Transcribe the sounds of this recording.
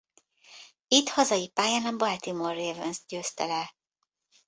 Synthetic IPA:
it̪hɒzɒjipaːjaːnɒbɒlt̪imoreːvɛns̚ɟøːst̪ɛlɛ

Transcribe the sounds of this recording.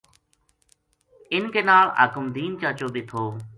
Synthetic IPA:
ɪnkeːnaːlə̰kʊmd̪iːnt͡ʃaːt͡ʃoːbiːt̪ʰoː

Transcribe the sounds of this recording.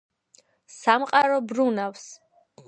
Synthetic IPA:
samqʼaɾɔbɾunafs

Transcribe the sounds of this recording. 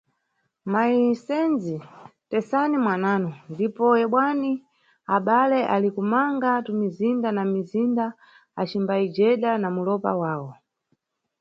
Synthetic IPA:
maisɛnzitɛsanimwanaːnɔndipɔɛɓwani | aɓalɛʔalikumaŋɡatumizindanamizinda | at͡ʃimbaid͡ʒɛɗanamulɔpa̰waːwɔ

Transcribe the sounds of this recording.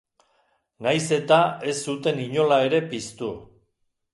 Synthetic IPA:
najse̞t̪ae̞sːut̪e̞niɲo̞lae̞ɾe̞pist̪u

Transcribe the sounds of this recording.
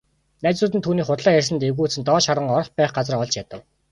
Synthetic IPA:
næːt͡ɕʊːt̪ɘnt̪ʰuːniːχʊt̪ɮæːjærʲs̬ə̆nt̪eɣuːt͡sɘ̆nt̪ɔːʃaɾə̆ŋɔr̆χpæːχɢat͡sə̆rɔɮt͡ɕjat̪ə̆w

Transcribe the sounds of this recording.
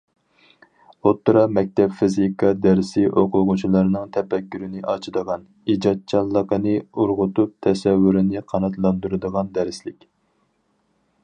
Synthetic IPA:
ot̪ːɨɾɑmɛk̚ʲt̪ɛpfizikʰɑd̪æɾsɪʔoqʰʊʁʊt͡ʃʰilˠɑɾnɨŋt̪ʰɛpɛkʲːyɾɪnɪʔɑt͡ʃʰɨd̪əʁɑn | id͡ʒɑt̪̚t͡ʃʰɑlˠːəqənɨuɾʁʊt̪up̚t̪ʰɛsɛwːyɾɪnɪqʰɑnɑt̪lˠɑnd̪uɾɨd̪əʁɑnd̪æɾɪslɪkʲ

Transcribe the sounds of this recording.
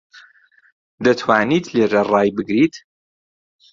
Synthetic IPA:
d̪ɐt̪ʰwaːniːt̪ʰleːrɐraːjbɨɡɾit̪

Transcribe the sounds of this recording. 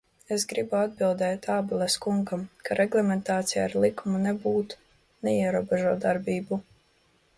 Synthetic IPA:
esɡɾibuad̪̚bilˠd̪ɛːt̪aːbulˠɛskuŋɡamkaɾʔɛɡlˠɛmɛnt̪aːt̪sijaːɾlˠikumunɛbuːt̪ | nɛiɛɾuɔbeʒuɔt̪d̪aɾbiːbu

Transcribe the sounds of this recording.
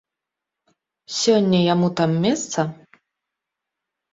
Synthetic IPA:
sʲɔnʲːɐjamut̪amːʲɛst̪sɐ

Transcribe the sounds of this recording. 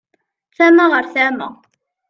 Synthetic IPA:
θæmaʁəɾθæmæ̰

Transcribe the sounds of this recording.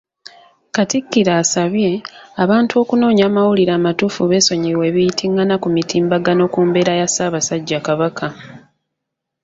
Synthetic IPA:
katikːiɾaːsaβje̞aβaːntuo̞ːkuno̞ːɲaːmawuliɾaːmatufuβe̞ːso̞ɲiwe̞ːβijitʰiŋɡanakumitʰiːmbaɡano̞kuːmbe̞ːɾajasaːβasaɟːakaβakʰa

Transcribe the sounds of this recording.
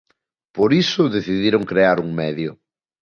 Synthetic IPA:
poɾisʊðeθiðiɾʊŋkɾeaɾuŋmɛðjʊ̰

